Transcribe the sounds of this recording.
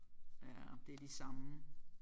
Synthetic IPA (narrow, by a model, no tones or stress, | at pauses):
æd̥e̝ɐd̥isɑ̈mə